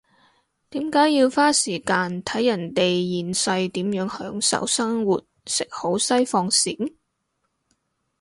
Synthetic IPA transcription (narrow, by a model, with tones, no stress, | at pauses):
t̪iː˨˥mkaː˨˥jjiː˧wfaː˥siː˨˩kaː˧nt̪ʰɐ˨˥jːɐ˨˩nt̪e˨jjiː˨nsɐ˧jt̪iː˨˥mjœː˨˥ŋhœː˨˥ŋsɐ̰˨˥wsɐ˥ŋwuː˨t̚sɪ˨k̚ho˨˥wsɐ˥jfɔː˧ŋsiː˨˥ŋ